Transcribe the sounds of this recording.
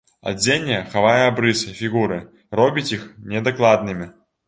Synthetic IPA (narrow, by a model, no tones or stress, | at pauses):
a̰d͡zʲenʲːɛxavajɛabɾɨsɨfʲiɣuɾɨ | rɔbʲit͡sʲixnʲɛd̪aklˠad̪nɨmʲi